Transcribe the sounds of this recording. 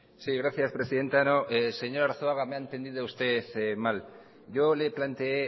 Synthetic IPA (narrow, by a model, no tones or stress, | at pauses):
siɣɾaθjaspɾe̞siðe̞nt̪anoʔse̞ɲo̞ɾaɾθoaɣameaent̪e̞nd̪ið̞oust̪e̞θemal | ʝo̞le̞plant̪ee